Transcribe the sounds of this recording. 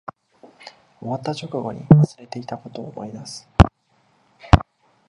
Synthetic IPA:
o̞βat̪ːat͡ɕo̞kɯ̟ɡo̞̰ɲ̟ḭβasɨ̥ɾe̞t̪e̞it̪ako̞t̪o̞ːmʔoimasɨ̥

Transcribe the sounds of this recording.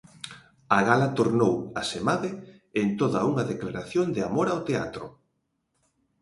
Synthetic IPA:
aɣalat̪oɾnowasemaðɪ | ent̪oðɐuŋɐðeklaɾaθjond̪ɪamoɾawt̪ea̰t̪ɾʊ̰

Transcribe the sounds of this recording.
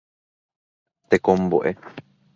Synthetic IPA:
t̪ekõmbo̰ʔe

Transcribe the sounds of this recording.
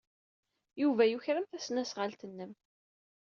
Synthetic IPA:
juvæjuçɾəmθæsnæsʁəlt̪ənːəm

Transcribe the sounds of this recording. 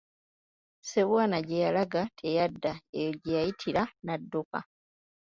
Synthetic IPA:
se̞βwaːnaɟejalaɡatʰe̞jadːaejoɟejajitʰiɾanadːuka̰

